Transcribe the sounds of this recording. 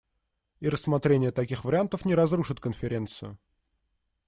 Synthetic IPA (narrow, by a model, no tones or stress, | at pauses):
iɾəsːmɐt̪ɾʲenʲɪjət̪ɐkʲixvəɾʲɪant̪əfnʲɪɾɐzɾuʂɨt̪kənfʲɪɾʲe̞nt̪sɨjʊ